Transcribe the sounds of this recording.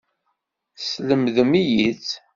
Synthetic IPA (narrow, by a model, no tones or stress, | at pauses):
sləmðəmijit͡s